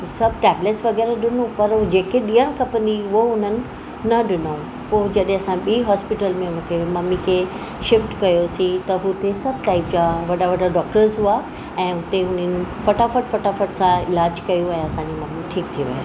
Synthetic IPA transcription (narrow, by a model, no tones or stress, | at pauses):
ɦusɐb̚ʱʈɛːbleʈsʋɐɣɛːɾaɗɪnũpɐɾɦud͡ʑeːkeɗiəɽ̃kɐpə̃nd̪iʊɦoʊn̤ənɪ̆ | nɐɗɪno | poːd͡ʑɐɗɦẽɐsãɓiːɦɔːspɪʈəlmẽmũːkʰemɐmikʰeː | ʃɪfʈkɐjosĩt̪ɐɦʊt̪esɐb̚ʱʈaːɪp̚d͡ʑaːʋɐɖaʋɐɖaɖɔːk̚ʈəɾzɦʊa | ɛ̃ːɦʊt̪eɦʊn̤ənɪ̆fɐʈafɐʈfɐʈafəʈsãɪlaːd͡ʑkɐjũɛ̃ːɐsãɲd͡ʑimɐmiʈʰiːkt̪ʰiʋḭa̰ː